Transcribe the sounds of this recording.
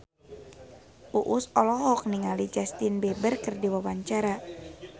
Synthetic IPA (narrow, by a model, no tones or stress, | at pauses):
ʔuʔusɔlɔɦɔk̚niŋalid͡ʒast̪inbɛbərkɨrdiwawaɲt͡ʃaɾa